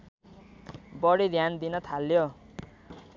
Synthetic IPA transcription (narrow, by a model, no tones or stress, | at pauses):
bʌɽid̪ʱjand̪inʌt̪ʰaljo